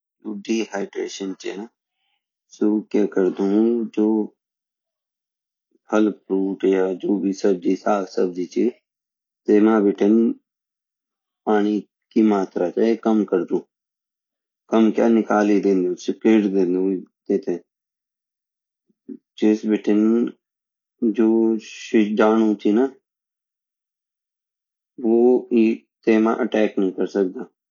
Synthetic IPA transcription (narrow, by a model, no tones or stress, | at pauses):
uːɖiːhaːɪɖɾḛːʃənt͡ʃḛ | soːkaːkəɾd̪ũd͡ʒoː | həlpɾuːʈjad͡ʒoːbʱisəb̚d͡ʒiːsaːksəb̚d͡ʒiːt͡ʃi | seːmãːbɪʈʰən | paːɽ̃i | kimaːt̪ɾaːt͡ʃaːekəmkəɾd̪ũː | kəmkja̰ːnɪkaːlid̪ẽːnd̪ũt͡ʃkeːʈd̪ẽːnd̪uid̪eːt̪ẽː | d͡ʒɪsbɪʈʰən | d͡ʒoːʃɪd͡ʒaːñũt͡ʃiːna | ʋoːiː | t̪eːmã̰ʔəʈɛːknəɦĩːkəɾsək̚d̪aː